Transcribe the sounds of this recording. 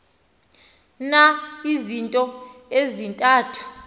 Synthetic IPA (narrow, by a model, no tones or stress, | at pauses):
naizintʼɔezintʼaːtʰu̥